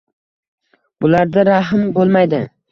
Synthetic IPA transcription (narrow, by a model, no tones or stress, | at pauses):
bʊlaɾd̪aɾaɦɪmbolˠmajd̪ɪ